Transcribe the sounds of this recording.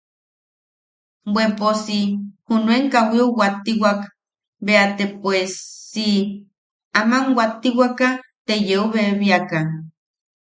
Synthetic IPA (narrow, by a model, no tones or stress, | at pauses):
bweposihunweŋkawiowat̪iwak | beat̪epwesːi | amaŋwat̪iwakat̪ejeoβeβiaka